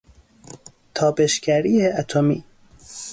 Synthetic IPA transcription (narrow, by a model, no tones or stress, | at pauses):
t̪ʰɒːbe̞ʃcæɾiːeʔæt̪ʰomḭː